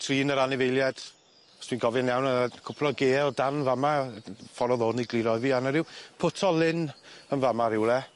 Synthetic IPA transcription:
tʰriːnəɾanɪvejlˠjɛd̥ | ɔsʰiːnɡɔvɪnjɛwnəkʰʊpʰrɔɡeːlˠdanvamafɔɾɔðoːniɡliɾɔɨviːanəɾɪwpʰʊtʰɔlˠɪnənvamaɾɪwlɛ

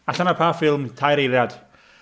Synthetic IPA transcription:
aɬanapʰaːfɪlˠmtʰajɾejɾjad̥

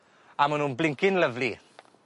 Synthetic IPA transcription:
amənumblɪŋkinləvli

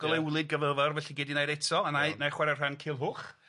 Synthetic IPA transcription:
ɡ̥ɔlˠɛwlˠɨd̚ɡəvəvɔrvɛɬiɡɪdinajɾetʰɔananaχwɛɾɛ̥rankʰɪlˠɦʊːχ

